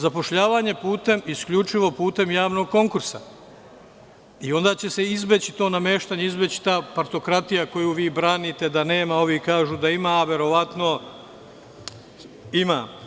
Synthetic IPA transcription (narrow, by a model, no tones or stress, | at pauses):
zapo̞ʃʎaːʋaːɲe̞puːt̪e̞miskʎut͡ʃiʋo̞puːt̪e̞mjaːʋno̞ɡ̚ko̞ŋkuɾsa̰ | io̞nd̪aːt͡ɕe̞se̞izbet͡ɕi̥t̪o̞ːname̞ːʃt̪aɲeizbet͡ɕi̥t̪aːpaɾt̪o̞kɾat̪ijako̞juːʋiːbɾaːnit̪e̞d̪ane̞ːmaoʋikaːʒuːd̪aimaːʋe̞ɾo̞ʋat̪no̞ | ima̰ː